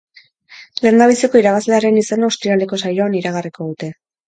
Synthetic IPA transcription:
lend̪aβisiko̞iɾaβazle̞aɾe̞nisenaost̪ɾialeko̞sajo̞aniɾaɣ̞ariko̞ð̞ut̪e̞

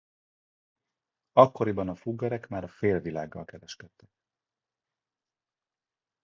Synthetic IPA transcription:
ɒkːo̞ɾibɒnɒfuɡːɒɾɛkmaːɾɒfeːlvila̰ːɡːɒ̰lkɛɾɛʃkɛt̪ːɛk̚

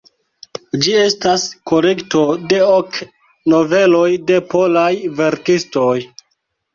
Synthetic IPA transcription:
d͡ʒie̞stasko̞le̞kto̞de̞ok | no̞ve̞lo̞jde̞po̞lajve̞ɾkisto̞j

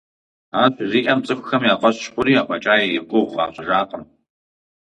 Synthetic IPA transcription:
aːɕʷziːʔɐmt͡sʼɨxʷxɐmjaːqʷʼɐɕʃχʷʊɾiːaːʔʷɐt͡ʃʼaːjeiqʷʊʁʷʁɑ̰ːɕʷʼʒaːqʼən

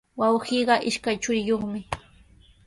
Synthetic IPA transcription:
wɑwhiːɢɑʔɪʃkajt͡ʃʊɾɪjoχmɪ

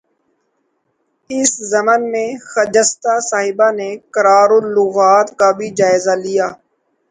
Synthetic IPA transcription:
ɪszəmənmẽːxəd͡ʒəst̪aːsaːɦɪbaːneːkəɾaːɾʊlːʊɣaːt̪kaːbʱiːd͡ʒaːɪzaːlɪjaː

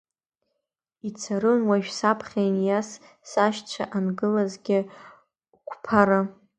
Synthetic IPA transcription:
it͡sʰaɾɨnwaɥᶣsapʰχʲajnjas | saʃt͡ɕʷʰaʔanɡɨlazɡʲɪ | kʷʰpʰaɾa

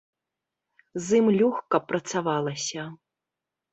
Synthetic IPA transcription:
zɨmlʲuxkɐpːɾɐt̪savalˠɐsʲɐ

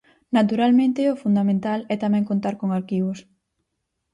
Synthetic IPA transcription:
nat̪uɾalmẽnt̪ɪʊfund̪amẽnt̪alɛt̪amɛ̃ŋkont̪aɾkoŋaɾkiβos

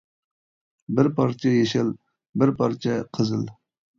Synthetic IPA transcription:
bɪɾpʰɑɾt͡ʃʰɛjeʃɪl | bɪɾpʰɑɾt͡ʃʰɛqʰəzɨl

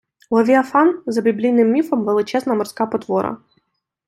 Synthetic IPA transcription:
lˠɔʋʲiɐfanzɐbʲiblʲijnɪmːʲifɔmʋɛlˠɪt͡ʃɛznɐmɔrsʲkapɔt̪ʋɔɾɐ̰

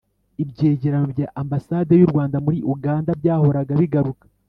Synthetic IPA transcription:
ibɟe̞ːɟeɾanobjaːʔambasaːdejuɾɡwaːndamuɾiʔuɡaːndabɟaːho̞ɾaɡaβiɡaɾukḁ

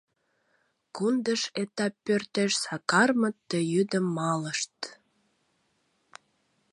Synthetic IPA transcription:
kund̪əʃet̪ɑpːørt̪eʃsɑkɑrmət̪ːəjyd̪əmːɑləʃt̪

